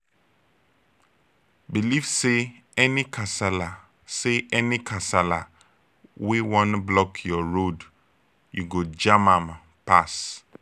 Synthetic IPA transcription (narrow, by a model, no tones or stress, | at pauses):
bilivse | ɛnikʰasala | seʔɛnĩkʰasala̰ | wewɔ̃nblɔkʰjɔɹod | juɡod͡ʒamãm | pas